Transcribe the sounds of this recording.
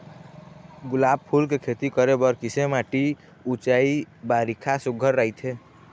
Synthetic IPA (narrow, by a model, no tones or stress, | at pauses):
ɡʊlaːb̚pʰulkekʰet̪ikəɾebəɾkisemaʈi | ut͡ʃaibaɾikʰasuɡʱəɾːaɦit̪ʰe